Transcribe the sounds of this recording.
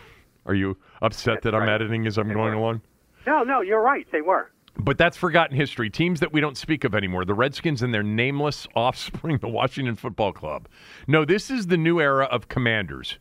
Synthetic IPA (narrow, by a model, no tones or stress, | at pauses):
ʔə̰˞jɨ | ʔʌpsɛt̪̚ðɨɾãɪ̃mɛɾɨɾɪ̃ŋɨzãɪ̃mɡoʊɪ̃ŋəlɔ̃ŋ | noʊnoʊjə˞ɹaɪt̪̚ðeɪwə˞ | b̥ʌt̪̚ðætsfə˞ɡɑʔn̩ɦɪstɹ̥itʰĩmzðɨʔ̚wiɾõʊ̃ntspikʌvɛnimɔɹðəɹɛd̥skɪ̃nzɨ̃nðə˞nẽɪ̃mləsɔfspɹɪ̃ŋðəwɑ̰ʃɪ̃ŋtɨ̃nfʊt̚b̥ɔlˠkʰl̥ʌ̰b̥̚ | noʊðɪsɨzðɨnʉɛɹɨʔʌv̥kʰəmæ̃ndə̰˞z̥